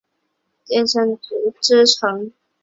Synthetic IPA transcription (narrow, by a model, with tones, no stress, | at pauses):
t̪jɛ˥˧nʂə˥ŋt͡su˨˧˥ʈ͡ʂɻ̩˥ʈ͡ʂʰɤ˧˥ŋ